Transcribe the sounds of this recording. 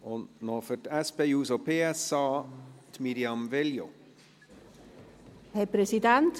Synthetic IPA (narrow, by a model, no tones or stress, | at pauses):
ɔnoːfœʈɛspejuːsopʰeːɛsɑːt̪ʰmiɾjɑmvɛljo | hɛpɾɛsid̪ɛnt